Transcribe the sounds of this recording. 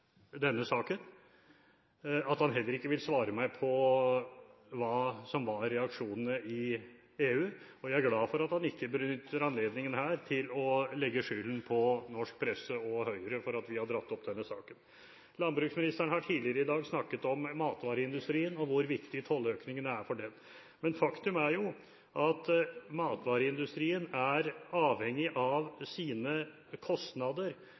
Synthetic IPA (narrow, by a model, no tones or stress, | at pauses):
d̪ɛnːəsɑːkən | ɑt̪hɑnɦɛlːəɾɪkːəʋɪlsʋɑːɾəmæɪpʰɔ | ʋɑːsɔmʋɑɾɛɑkʂuːnənəɪ | eːʉːɔjæɪæɾɡlɑːfɔɾɑt̪hɑnɪkːəbənʏt̪ːəɾɑnleːd̪nɪŋənhæːɾt̪ʰɪlɔlɛɡːəʂyːlənpʰɔnɔʂk̚pʰɾɛsəɔhœʏəɾəfɔɾɑt̪ʋɪhɑɖɾɑt̪ːɔpd̪ɛnːəsɑ̰ːkən | lɑnbɾʉːksmɪnɪst̪æɳhɑʈʰiːdlɪəɾəɪd̪ɑːɡsnɑkːət̪ɔmːɑːt̪ʋɑːɾəɪnd̪ʉst̪ɾiːənɔʋʊɾʋɪkt̪ɪt̪ʰɔlːøːknɪŋənæɾfɔɖɛn | mɛnfɑkt̪ʉmæɾjʊ | ʔɑt̪mɑːt̪ʋɑːɾəɪnd̪ʉst̪ɾiːənæɾɑːʋhɛŋːɪʔɑʋsiːnə | kʰɔst̪nɑd̪əɾ